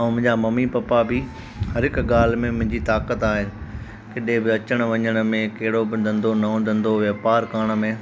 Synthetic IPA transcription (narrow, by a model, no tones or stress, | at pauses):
mʊ̃ɦɪ̃ɲd͡ʑamɐmipɐpabi | hɐɾɦɪkɠaːl̤mẽmʊ̃ɦɪ̃ɲd͡ʑit̪aːkət̪aːɦɪnɪ̆ | kɪɗẽbɪɐt͡ɕəɽ̃ʋɐɲəɽ̃̆mẽkɐɦɪɽobɪd̪ʱɐ̃nd̪onɐõd̪ɐ̃nd̪oʋjɐːpaːɾkaːɽ̃ə̆mẽ